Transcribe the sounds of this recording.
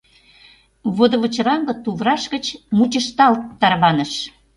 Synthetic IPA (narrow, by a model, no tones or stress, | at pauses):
βod̪ə̆βə̆t͡ɕɾɑŋɡɤ̆t̪uβɾɑʃɣət͡ɕmut͡ɕəʃt̪ɑlt̪ːɑrβɑnə̆ʃ